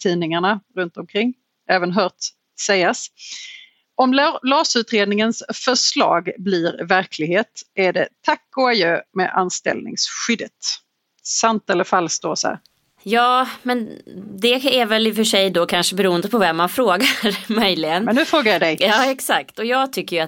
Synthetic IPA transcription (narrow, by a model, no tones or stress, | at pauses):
t̪ʰiːnɪŋaɳaɾɵnt̪ɔmkʰɾɪŋː | ʔɛːvənɦœːʈ | sɛjːas | ɔmllɑːsʉ̟ːt̪ɾeːd̪nɪŋənsfœʂlɑ̰ːɡbliɾvæɾkʰlɪɡheːt̪æɖɛt̪ʰakːʊajøːmɛ̰ʔa̰nst̪ɛ̰lnɪ̰ŋsɧʏd̪ət̪ | sant̪ɛlːəɾfalːst̪oːsæ̰ːɾ | jɑːmɛnd̪ɛæɾvɛlɪfœʂɛjd̪ɔkʰanʂəbɛɾuːənd̪əpʰɔvɛmːanfɾoːɡaɾmœjlɪɡənɛnːʉfɾoːɡaɾjad̪ɛjjɑːɛksakt̪ɔjɑːɡt̪ʰʏkːəja